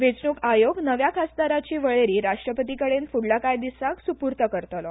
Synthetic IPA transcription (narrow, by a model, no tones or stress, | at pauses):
ʋet͡sɳuːkajoɡnəʋjakʰasd̪aɾat͡ɕiːʋəɭeɾiːɾaʂʈɾəpət̪ikəɽenfuɽlakajd̪isaksupuɾt̪əkəɾt̪lɔ